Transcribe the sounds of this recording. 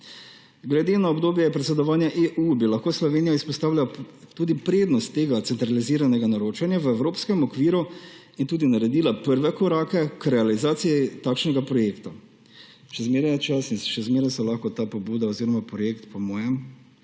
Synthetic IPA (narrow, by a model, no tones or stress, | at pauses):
ɡlɛd̪eːnaɔbd̪oːbjɛɛɛpɾɛt̪sɛd̪ɔʋaːnjaʔeʔubilaxkoːslɔʋeːnijaispɔst̪aːwlʲat̪uːd̪ipɾeːd̪nɔst̪ːeːɡat̪sɛnt̪ɾaliziːɾanɛɡanaɾoːt͡ʃanjaʋəɛwɾoːpskɛmɔkʋiːɾu | int̪uːd̪inaɾɛd̪iːlapəɾʋɛkɔɾaːkɛkɾɛalizaːt̪sijit̪aːkʃnɛɡapɾɔjeːkt̪a | ʃɛzmeːɾnat͡ʃasisʃɛzmeːɾɛsɔlaxkɔt̪apɔbuːd̪aoziːɾɔmapɾɔjeːkt̪pɔmɔːjɛm